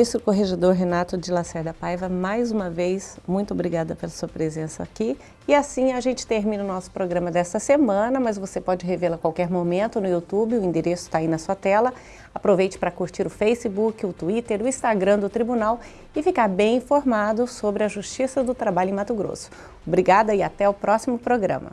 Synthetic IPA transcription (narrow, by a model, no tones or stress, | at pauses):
ist̪koɦeʒed̪oɾɦenat̪ʊd͡ʒɪlasɛɾd̪ɐpajvɐmajzũmɐvejsmũj̃t̪ʊobɾiɡad̪ɐpelɐsuɐpɾezẽsɐ̰ːki | ɪasĩaʒẽnt͡ʃɪ̥t̪eɾmĩnɐʊnɔsʊ̥pɾoɡɾɐ̃mɐd̪ɛst̪ɐsemɐ̃nɐmɐzvosepɔd͡ʒɪɦevelɐkwawkɛɾmomẽnt̪ʊnʊiut̪ubɪʊĩd̪eɾesʊ̥t̪ainɐsuɐt̪ɛlɐ | apɾovejt͡ʃɪ̥pɾɐkuɾt͡ʃiɾʊfejsɪbukɪʊt̪uit̪eɾʊĩst̪aɡɾɐ̃d̪ʊt̪ɾibunaw | ɪfikaɾbẽj̃ĩfoɾmad̪ʊsobɾɪɐʒuʃt͡ʃisɐd̪ʊt̪ɾabaʎʊẽmat̪ʊɡɾo̰sʊ̥ | obɾiɡad̪ɐɪat̪ɛʊpɾɔsimʊpɾoɡɾɐ̰̃mɐ̰